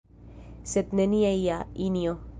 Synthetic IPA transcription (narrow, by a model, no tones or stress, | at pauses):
set̪neniaiainijo